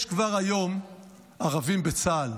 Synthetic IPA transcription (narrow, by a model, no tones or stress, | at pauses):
ʃkvaʁajo̞m | aʁavimbet͡saːl